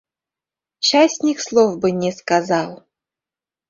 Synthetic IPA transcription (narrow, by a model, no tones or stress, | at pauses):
ɕasʲnʲikslˠovbɨnʲɛskazɑlˠ